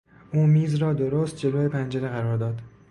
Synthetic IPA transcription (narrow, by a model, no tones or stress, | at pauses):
ʔuːmiːzɾɒːd̪oɾoːst̪̚d͡ʒe̞loːepʰænd͡ʒeɾeɣæɾɒːɾd̪ɒːd̪̥